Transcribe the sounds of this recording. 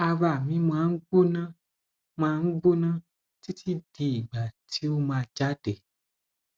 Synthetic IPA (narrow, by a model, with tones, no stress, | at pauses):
a˨va˨mĩ˨˦m̃˨ã˨ŋ̩˦ɡ͡bo˦nã˦ | mã˨˦ŋ̩˦ɡ͡bo˦nã˦ | ti˦tʰi˦di˨i˨ɡ͡ba˨tʰi˦wo˦mã˨˧˨d͡ʒa˦d̥e˨